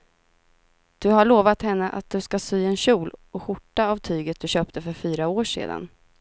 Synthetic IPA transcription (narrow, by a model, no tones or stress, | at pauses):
d̪̥ɵɦaɭoːvat̪hɛnːəʔa̰t̪̚d̪ɵskasyːɛnɕuːlɔɧʊʈːaːvt̪ʰyːɡət̪̚d̪̥ɵɕœːp̚t̪ʰəfœɾfyːɾaoːʂḛːd̪a̰n